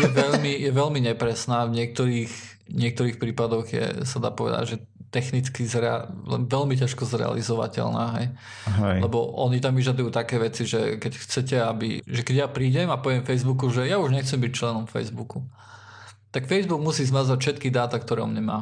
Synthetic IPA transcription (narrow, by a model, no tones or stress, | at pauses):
jɛʋɛʎmijɛʋɛʎmiɲɛpɾɛsnaːvɲɪɛk̚t̪ɔɾiːx | ɲɪɛk̚t̪ɔɾiːxpɾiːpad̪ɔɣjɛ̰sad̪a̰ːpɔʋɛ̰d̪a̰ɟʒɛ | t̪ɛxnit͡skizɾɛa̰lɛ̰nʋɛʎmicaʃkɔzɾɛ̰a̰lizɔʋa̰cɛ̰lna̰ːɦɛj | lɛbɔʔɔɲit̪amʋiʒad̪ujuːt̪akɛːʋɛt͡siʒɛkɛcxt͡sɛcɛabḭʒɛkɛɟjapɾiːɟɛmapɔʋɛmfɛjzbukuʒɛjauʒɲɛxt͡sɛmbic̚t͡ʃlɛnɔmfɛ̰jzbuku | t̪akfɛjzbuɡmusiːzmazacfʃɛt̪kid̪aːt̪akt̪ɔɾɛːɔmɲɛma̰ː